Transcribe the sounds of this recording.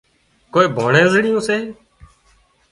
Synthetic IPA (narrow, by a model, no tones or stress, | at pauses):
koːeːbʱoːɳẽːəzɽɪjõːseː